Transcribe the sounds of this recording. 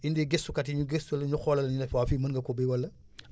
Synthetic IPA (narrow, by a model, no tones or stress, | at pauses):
indiɡesukɐtiɲuɡestulɐɲuxɔlɐlɐɲunɛfwafimɐnŋɡɐkɔbiwɐlɐ